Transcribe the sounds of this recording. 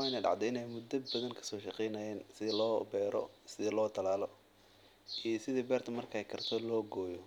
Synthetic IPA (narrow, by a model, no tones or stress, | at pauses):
ɪnɐɖɑ̰ʕd̪ɔɪnɛjmʊd̪ɐbɐðɐŋkʰɐ̥sɔːʃɑqɛjnɐjɛːnsɪðɪlɔːbɛːɾʔɔ̰sɪðɪlɔːt̪ʰɐlaːlɔ | ʔijɔsɪðibɛːrt̪ʰɐmɐrkʰɐːjkʰɐrt̪ʰɔlɔːɡɔːjɔ